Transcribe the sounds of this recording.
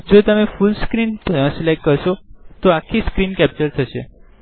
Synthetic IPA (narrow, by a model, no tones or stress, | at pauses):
d͡ʒot̪əmefulskɾinslek̚kəɾʃot̪oakʰːiskɾinkɛp̚t͡ʃəɾt̪ʰəʃe